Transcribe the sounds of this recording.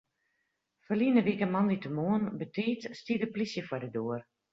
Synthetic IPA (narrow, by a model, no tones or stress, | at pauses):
fərliənəʋikəmɑnditəmoənbətʰiːtstidəplisjəfwɔdədoər